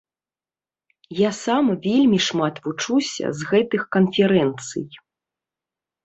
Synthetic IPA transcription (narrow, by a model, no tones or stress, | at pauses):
jasamvʲelʲmʲiʂmat̪vut͡ʂusʲɐ̰zɣɛt̪ɨxkɐnfʲɛɾɛnt̪sɨ̰j